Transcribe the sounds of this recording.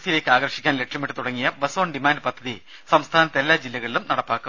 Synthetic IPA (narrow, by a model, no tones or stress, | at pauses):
sile̞ːkːɨaːɡɐɾʂi̥kʲːaːnle̞kʂɐmiʈːɨt̪uɽɐŋːijɐbɐsoːɳɖimaːnɖɨpɐd̪ʱːɐði | sɐmst̪ʰaːnɐt̪ːelːaːd͡ʑilːɐɣɐɭilumnɐɽɐpːaːkːu